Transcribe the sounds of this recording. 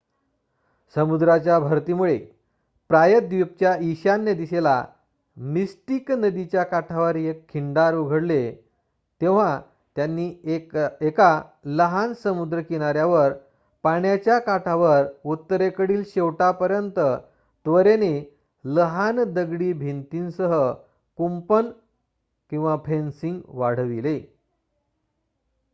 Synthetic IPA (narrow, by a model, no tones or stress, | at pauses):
səmud̪ɾat͡ɕjabʱəɾt̪imuɭe | pɾajəd̪ʋup̚t͡ɕjaiɕanːed̪isela̰ | misʈiknəd̪it͡ɕjakaʈʰaʋəɾjekʰːiɳɖaɾuɡʱəɽle | t̪eʋ̤a | t̪janːiː | ekaləɦansəmud̪ɾəkiɽ̃aɾjaʋəɾ | paɳjat͡ɕjakaʈʰaʋəɾut̪ːəɾekəɽiːlɕeʋʈapəɾjənt̪ə | t̪ʋəɾene | ləɦand̪əɡɽiːbʱint̪insəɦə | kumpən | kĩw̃ʋapʰensiŋɡʋaɽ̤ʋile